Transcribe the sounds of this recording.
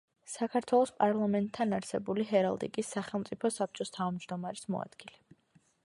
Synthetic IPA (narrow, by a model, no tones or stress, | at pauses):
sakʰaɾt̪ʰwɛlˠɔspʼaɾlˠamɛnt̪ʰːanaɾsɛbuliɦɛɾa̰lˠd̪ḭkʼisːaχɛlˠmt̪sʼipʰɔsap̚ʰt͡ʃʼɔst̪ʰavmd͡ʒd̪ɔmaɾismɔ̰a̰d̪̥ɡ̥ilɛ